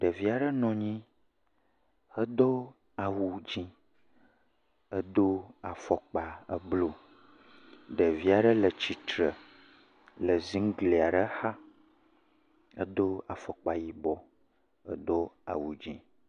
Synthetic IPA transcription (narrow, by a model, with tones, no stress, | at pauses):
ɖə˨vi˦a˨ɖə˦nɔ̃˨ɲĩ˦ | hə˦d̪o˦ | a˨wu˨d͡ʑĩ˦ | ə˦d̪o˦a˨fɔ˨k͡pa˨ə˦blo˦ | ɖə˨vi˦a˨ɖə˦lə˨t͡ɕi˨t̪ɾə˨ | lə˨zi˦ŋ˦ɡle˨a˨ɖə˦xa˦ | ə̰˦d̪o˦a˨fɔ˨k͡pa˨ji˦bɔ˦ | ə˦d̪o˦a̰˨wu˨d͡ʑḭ̃˦